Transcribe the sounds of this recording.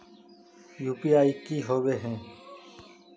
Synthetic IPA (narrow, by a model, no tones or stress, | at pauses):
juːpiːaːiːkiːɦoːʋeːɦẽː